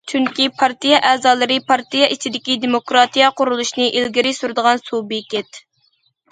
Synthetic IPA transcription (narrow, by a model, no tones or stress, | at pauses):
t͡ʃʰyŋkʲipʰɑɾt̪ijɛʔɛːzɑːlˠɨɾɨpʰɑɾt̪ijɛʔit͡ʃʰid̪ɪkʲid̪emokɾɑt̪ijɑqʊɾulˠuʃnɨʔilɡʲiɾɪsuɾd̪əʁɑnsubekʲɛt̪